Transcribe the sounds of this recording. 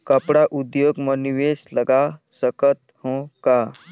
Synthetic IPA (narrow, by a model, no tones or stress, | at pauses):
kəpɽaʔud̪joɡməniʋesləɡasəkət̪hõka